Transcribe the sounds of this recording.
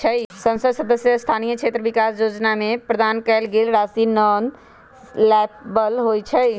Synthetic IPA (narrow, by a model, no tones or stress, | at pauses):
t͡ʃʰəsə̃nsəd̪səd̪əsjəst̪ʰaːnijəkt͡ʃʰeːt̪ɾəʋikaːsjod͡ʒnamẽpɾəd̪aːnkɛːlɡeːlɾaːsinɔːn | lɛːp̚bəlɦot͡ʃʰəj